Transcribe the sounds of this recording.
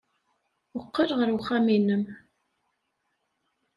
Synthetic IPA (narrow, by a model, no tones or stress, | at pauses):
əqːəɾʁəɾwʊχæminəm